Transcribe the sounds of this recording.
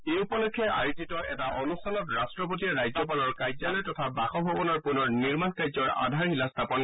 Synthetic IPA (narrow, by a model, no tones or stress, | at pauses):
eupɔlɔkʰːɛʔajtitɔɛtaʔonustʰanɔtɹastɹɔpotiaɹajzɔp̬alɔɹkajzalɔjtɔtʰabaxɔbʱɔbɔnɔɹpunɔɹniɹmankajzɔɹa̰dʱaɹxilastʰapɔn